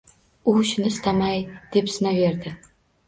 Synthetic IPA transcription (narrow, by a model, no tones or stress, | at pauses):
ʊʃɪnɪst̪ʰamajd̪̥e̞psɪnave̞ɾd̪ɪ